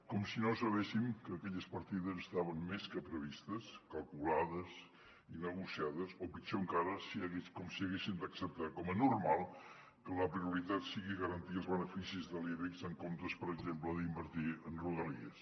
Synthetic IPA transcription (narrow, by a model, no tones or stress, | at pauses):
kɔmsinosəβ̞esimkəːkɛʎəspəɾt̪iðəzəst̪aβənmeskəpɾəβ̞ist̪əskəlˠkulaðəz | inəɣusiaðəsopit͡ʃoəŋkaɾəsiɣekɔmsiəɣesind̪əksəp̚t̪akɔmənurmalˠ | kələpɾiuɾit̪at̪siɣiɣəɾənt̪iəlˠzβənəfisizðəliβikzəŋkomt̪əspəɾəɡzempləðimbəɾt̪iənruðəliəs